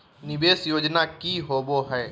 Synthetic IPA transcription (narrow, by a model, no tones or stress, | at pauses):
nɪbeːsjoːd͡ʒnakiɦoːboɦɛː